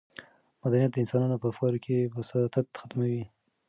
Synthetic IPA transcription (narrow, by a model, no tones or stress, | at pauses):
mad̪anijat̪d̪əɪnsɑnɑnopəafkɑɾokʰebəsat̪at̪xat̪mawi